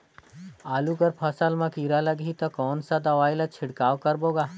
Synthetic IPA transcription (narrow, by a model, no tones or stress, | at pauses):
aːlukəɾpʰɐsəlmɐ̃kiːɾalɐɡit̪ɐkɔːnsad̪ɐʋaːɪlat͡ʃʰɪɽkaːʋkɐɾboːɡaː